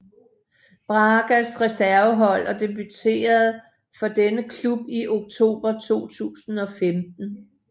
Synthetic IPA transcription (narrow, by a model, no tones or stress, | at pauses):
b̥ʁɑ̈ːɡ̥æsʁɛsæɐʊəɦɒ̽l̰ɒd̥e̝byt͡sʰe̝̰ːɐð̞̩ˠ | fɒ̽d̥enəkʰlub̥iʔo̝ɡ̥̚t͡sʰo̝̰ːb̥ɐt͡sʰo̝̰ːt͡sʰṵːsn̩ɒ̽femd̥n̩